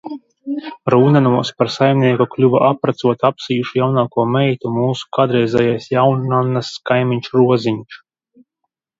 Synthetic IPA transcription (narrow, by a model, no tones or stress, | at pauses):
ɾuːnanuɔspaɾsajmʲnʲiɛkuklʲuva̰ʔapɾat̪suɔt̪apsijuʃujawnaːkuɔmɛjt̪umuːsu̥kad̪ɾɛjzʲɛjajsjawnanaskajmʲiɲʲt͡ʃɾuɔziɲʃ